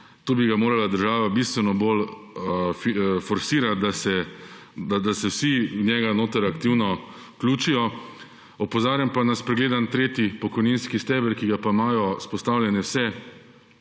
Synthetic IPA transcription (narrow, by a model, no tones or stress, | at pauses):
t̪oːbiɡamoːɾalad̪əɾʒaːʋabist̪ʋɛnɔbol | fifɔɾsiːɾat̪̚d̪asɛ | d̪ad̪asɛwsiwnjɛɡanoːt̪əɾakt̪iwnɔ | kluːt͡ʃijɔ | ɔpɔzaːɾjampanaspɾɛɡleːd̪ant̪ɾeːt̪ipɔkɔjninskist̪ɛːbɛɾkiɡapaimaːjɔspɔst̪aːwlʲjɛnɛwsɛ